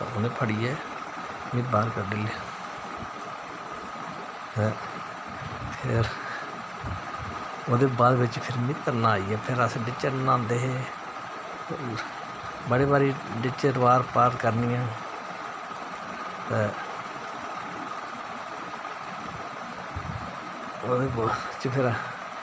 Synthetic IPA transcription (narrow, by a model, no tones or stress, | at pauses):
oːnẽːpʰəɽiːɛː | mĩːbaːɾkəɾɖɪleː | ɛ̃ː | pʰɪɾ | oːd̪eːbaːd̪ʋɪt͡ʃpʰɪɾmĩt̪əɾnãːaːiːɛːpʰɪɾəsɖɪt͡ʃəɾnãːnd̪eːɦeː | bəɽeːbaːɾiːɖɪt͡ʃəʈʋaːɾpaːɾt̪kəɾniːãː | t̪ɛ̃ː | oːd̪eː | t͡ʃpʰɪɾ